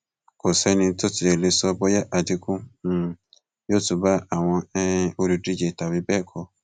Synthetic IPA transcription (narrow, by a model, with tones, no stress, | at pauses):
ko˨sɛ˦nĩ˧˦tʊ˦ti˨e˨le˨˦sɔ˦bɔ˦ja˦ʔa˨di˦kũ˦˨ | jo˦tu˨ba˦a˨w̃ɔ̃˧ɛ˦o˦ɾi˦dɾi˦d͡ʒe˨ta˨bi˦bɛ˦˨kʰɔ˨˧